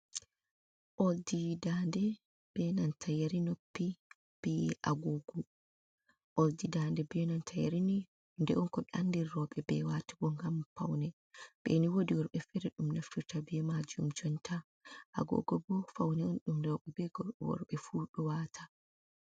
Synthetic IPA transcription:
ʔoldidandɛ | b̥ɛnantʰajaɾinopːi | b̥ɛʔaɡɔɡɔ | ʔoldidandɛbɛnantʰaja̰ɾini | ndɛʔɔnkɔɗandiɾːɔɓɛbɛwatḁbɔŋɡamfa̰wnɛ | b̥ɛ̰niwodiwɔɾɓɛfɛɾɛɗumnaftutabɛmad͡ʒumd͡ʒɔntʰa | ʔaɡɔ̰ɡɔbɔfawnɛɔnɗumdɛwɔɓɛbɛɡɔwɔ̰ɾɓɛfuɗɔwaːtʰa

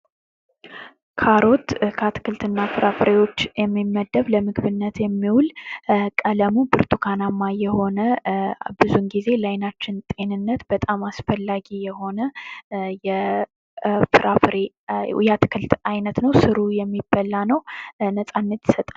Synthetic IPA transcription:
kʰaɾo̞t̪kʰat̪ʰɨ̥kɨlt̪ɨnːafɨɾʔafɾewo̞t͡ʃːjɛmːimːəd̪əβləmɨɡβɨnːət̪jɛmːiwulkʼələmubɨɾt̪ʰukʰanamːajɛho̞nəbɨzunɡize̞lajnat͡ʃːɪnt̪ʼe̞nɨnːət̪bət̪ʼamasfəlːaɡijɛho̞nəjɛ | fɨɾʔafɾe | jɛat̪ʰɨ̥kʰɨlt̪ajnət̪nəwsɨɾujɛmːibːəlːanəwnəsʼanːət̪ji̥sət̪ʼa

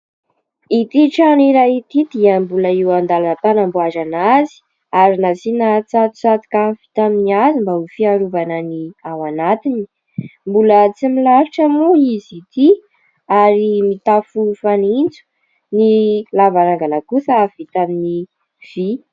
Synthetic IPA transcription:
it̪iʈ͡ʂaniɾajit̪id̪̥iəmbuləiwand̪alanət̪anambuazanazi̥ | aɾinasinat͡sat̪u̥t͡sat̪i̥kafi̥t̪aminiazimbaufiaɾuvananiawanat̪ini̥ | mbulət͡similaɾiʈ͡ʂəmuizit̪i | aɾimit̪afufanind͡zu̥ | nilavaɾaŋɡanakusaavit̪amini | v̥i

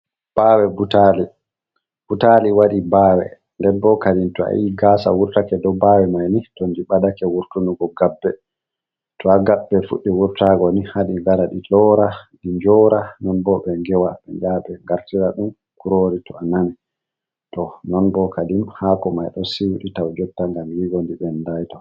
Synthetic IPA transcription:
b̥awɛbutali | b̥utaliwaɗibaːwɛ̰ | ndɛnbɔkadintɔa̰jiɡasa̰wuɾtakɛdɔbawɛmajnitɔndiɓadakɛwuɾtunuɡɔɡabːɛ | tɔaɡaɓːɛfṵɗːiwuɾtaɡɔnihaɗiɡaɾaɗilɔɾaɗiɲd͡ʒɔɾanɔnbɔɓɛŋɡɛwaɓɛd͡ʒaɓɛŋɡaɾtiɾaɗum | kuɾoɾitɔananɛ | tɔnɔnbɔkadimhakɔmajɗɔsiwuɗitawd͡ʒɔtːaŋɡamjiɡondiɓɛndajtɔ

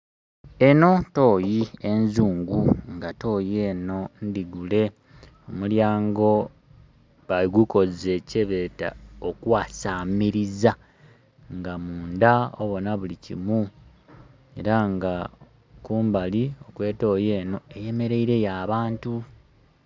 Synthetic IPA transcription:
e̞no̞to̞ːjienzuːŋɡuŋɡato̞ːjeno̞ndiɡule̞ | omuljaːŋɡo̞ | βaiɡuko̞ze̞ceβeːta̰okwaːsamiɾiza | ŋɡamuːndao̰βo̞naβulicḭmu | e̞̰ɾaŋɡa | kuːmbalio̞kwe̞ːto̞ːjeːno̞eje̞me̞ɾe̞iɾe̞jaːβaːntu

